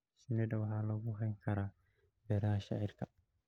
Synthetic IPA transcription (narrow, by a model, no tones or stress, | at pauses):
sɪnɛd̪ɐwɑħɑːlɐɣʊɦɐjŋkʰɐɾaː | bɛːɾɐɦɐʃa̰ʕɪrkʰɐ